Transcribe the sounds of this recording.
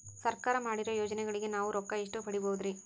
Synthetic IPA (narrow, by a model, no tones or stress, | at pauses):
sɐɾkaːɾɐmaːɽiɾojoːd͡ʒɐnɛɡɐɭiɡe̞naːʋuɾɔkːɐiʂʈupɐɽiboːud̪ɾi